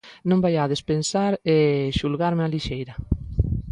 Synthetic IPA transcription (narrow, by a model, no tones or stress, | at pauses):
nõmbajaðespensaɾeʃulɣaɾmealiʃejɾɐ